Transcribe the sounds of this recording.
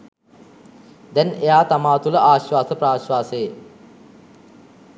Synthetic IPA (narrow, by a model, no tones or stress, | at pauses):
d̪ɛnejaːt̪amaːt̪uləʔaːɕwaːsəpraːɕwaːsee